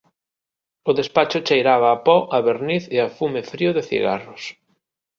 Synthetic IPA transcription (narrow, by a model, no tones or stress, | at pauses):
ʊðespat͡ʃʊt͡ʃejɾaβɐːpɔʔɐβeɾniθeafumefɾiʊðɪθḭɣa̰rʊs